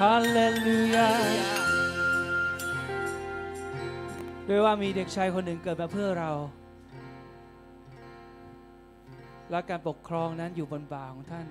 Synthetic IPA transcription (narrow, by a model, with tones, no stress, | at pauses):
kʰaː˧˥leː˧lːu˧ja˧ | du˥˩əjwaː˥˩miː˧de˨˩k̚t͡ɕʰa˦˥jkʰo˧nːɯ˨˩ŋkɤː˨˩t̪̚maː˧pʰɯ˥˩ɐɾa˧w | lɛ˦˥kaː˧npo˨˩kʰɾɔː˧ŋna˦˥njuː˨˩bo˧npaː˨˩kʰɔː˩˦ŋt̪ʰa˥˩n